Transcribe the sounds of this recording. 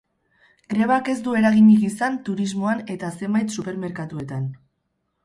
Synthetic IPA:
ɡɾe̞βake̞zd̪ue̞ɾaɣ̞iɲiɣisant̪uɾizmo̞ane̞t̪ase̞mbajt̪supe̞ɾme̞ɾkat̪ue̞t̪an

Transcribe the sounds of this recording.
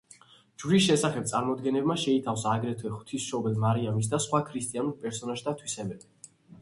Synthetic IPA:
d͡ʒɾisʃɛsaχɛb̚t̪sʼaɾmɔd̪ɡɛnɛbmaʃɛit̪ʰafsaːɡɾɛt̪ʰwɛχt̪ʰisʃɔbɛlmaɾiamis̬d̪asχwakʰɾist̪ʼianuɾpʼɛɾsɔnaʒd̪at̪ʰwisɛbɛbi

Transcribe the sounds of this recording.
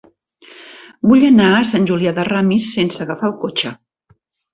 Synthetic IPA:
buʎənaəsanʲʒuliaðəramisːensəɣəfalˠkot͡ʃə

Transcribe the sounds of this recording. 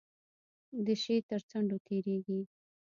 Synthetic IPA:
d̪əʃet̪əɾt͡saɳɖot̪ʰeɾeɡi

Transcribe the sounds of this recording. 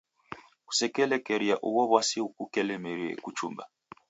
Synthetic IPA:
ku̥sɛkɛlɛkɛɾiaʔuwɔβwasiukukɛlɛmɛɾiɛ̰kut͡ʃuma̰

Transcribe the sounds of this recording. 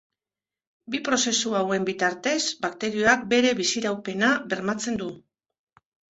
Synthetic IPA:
bipɾo̞se̞suawe̞mbit̪aɾt̪e̞zbakt̪e̞ɾio̞ak̚be̞ɾe̞βisiɾawpe̞naβe̞ɾmat͡se̞nd̪u

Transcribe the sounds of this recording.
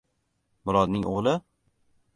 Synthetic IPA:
mʊɾɒd̪nɪŋʔo̰ʁlˠɪ

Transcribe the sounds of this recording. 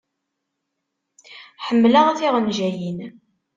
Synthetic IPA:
ħəmːləʁæθiʁənʒæjin

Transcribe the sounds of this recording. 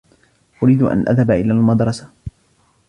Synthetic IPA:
ʔʊɾiːd̪ʔa̰nʔa̰ðhabʔɪlaːlmad̪ɾˤɑsa

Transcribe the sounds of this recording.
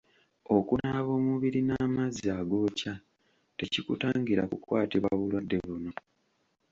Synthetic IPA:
o̞kunaβo̞ːmuβiɾinaːmaziaɡo̞ːca | te̞cikutaːŋɡiɾa̰kukwaːtiβaβulwadːe̞βuno̞

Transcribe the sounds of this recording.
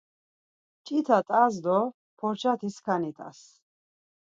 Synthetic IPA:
t͡ʃʼit̪ʰat̪ʼazd̪ɔ | pʰɔɾt͡ʃʰat̪ʰiskʰanit̪ʼa̰s

